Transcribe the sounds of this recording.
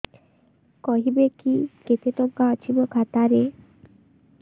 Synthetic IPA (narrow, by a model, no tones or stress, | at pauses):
kɔɦibekiket̪et̪ɔŋkaɔt͡ʃʰibɔkʰat̪aɾe